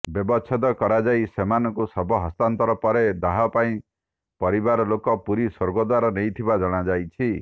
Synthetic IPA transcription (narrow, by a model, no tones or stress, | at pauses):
bjɔbɔt͡ʃʰɔd̪ɔkɔɾad͡ʒajsemanɔkusɔbʱɔɦɔst̪ant̪ɔɾɔpɔɾed̪aɦɔpaĩ | pɔɾibaɾɔlokɔpuɾisoɾɡɔd̪waɾanejt̪ʰibad͡ʒɔɽ̃ad͡ʒajt͡ʃʰi